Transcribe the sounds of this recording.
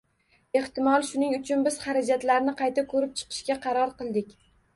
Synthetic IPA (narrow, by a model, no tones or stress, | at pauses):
e̞ht̪ɪmɒlˠʃʊnɪŋʊt͡ʃʰʊnbɪz̥χaɾad͡ʒat̪laɾnɪqʰɑjt̪ʰakʰɵɾɪp̚t͡ʃʰɨ̥qʰɨ̥ʃkʲaqʰɑɾɒɾqɨlˠd̪ɪkʲ